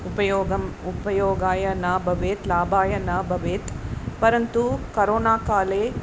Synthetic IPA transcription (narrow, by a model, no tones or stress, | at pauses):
upɐjɔːɡɐm | upɐjɔːɡaːjɐnaːbʱɐʋeːt̪laːbaːjɐnɐbʱɐʋeːt̪pɐɾɐnt̪ukɐɾoːnaːkaːleː